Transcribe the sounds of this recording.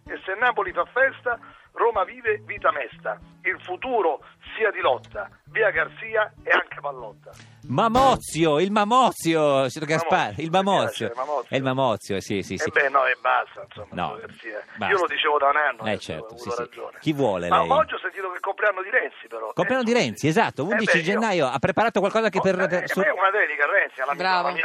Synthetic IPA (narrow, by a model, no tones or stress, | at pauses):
esenːaːpolifafːɛst̪a | roːmaviːveviːt̪amɛst̪ailfut̪uːɾosiːad̪ilɔt̪ːa | viːaɡarsiːaeaŋkepalːɔt̪ːa | mamɔt̪sːjoilmamɔt̪sːjosɛt̪ːkaspailmamɔt̪sːjomamɔɛilmamɔt̪sːjoɛsisiseibːɛnːɔɛbːast̪ainsomːnɔ̰ɡarsiːabaiolod̪it͡ʃeːvod̪aunanːoɛ̰t͡ʃɛ̰rt̪osissḭd͡ʒo̰ːnek̟ivwɔːlḛlmaɛ̰jmaɔt̪sjɔsːent̪iːt̪okekːompɾianːod̪iɾɛnt̪sipeɾɔkompɾjanːod̪iɾɛnt̪siezat̪ːound̪it͡ʃid͡ʒenːaːjoapːɾepaɾaːt̪okwalkɔzaaŋkeperpesuunavɛnikarːɛnt̪sialamɾava